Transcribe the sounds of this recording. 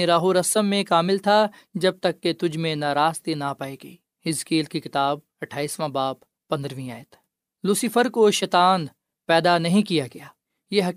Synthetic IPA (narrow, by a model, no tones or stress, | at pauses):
eɾaːɦuɾɐsəmːẽkaːmɪlt̪ʰa | d͡ʒɐb̚t̪ɐkːet̪ʊd͡ʒʱmẽnaːɾaːst̪inapaːeɡɐiː | ɪzkiːlkikɪt̪aːb̚ | ɐʈʰaːiːsmãbaːb | pɐ̃nd̪ɾʋĩaːjət̪ | lʊsɪfəɾkoʃɐt̪aːn | pɛːd̪anɐɦĩkijaɡɐjaː | jeːɦɐ